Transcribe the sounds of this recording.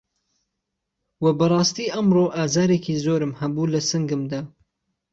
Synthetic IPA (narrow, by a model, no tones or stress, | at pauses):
wɐbɐrˤɑːst̪iːʔɐmroʔaːzaːɾeːkiːzoːɾɨmhɐbuːlɐsɨŋɡɨmd̪aː